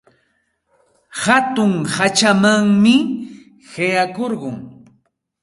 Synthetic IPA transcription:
hat̪ʊŋhat͡ʃamaŋmɪ | hajakoɾɢʊŋ

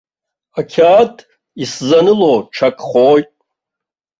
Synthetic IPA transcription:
akʲʰaːtʰʼ | iszanɨloːʈ͡ʂʰakʼχojtʼ

